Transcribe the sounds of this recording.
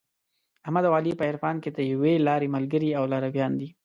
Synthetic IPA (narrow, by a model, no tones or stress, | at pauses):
ahmad̪awɑlipəɪɾfɑnked̪əjawelɑɾeməlɡəɾiawlaɾawjɑnd̪i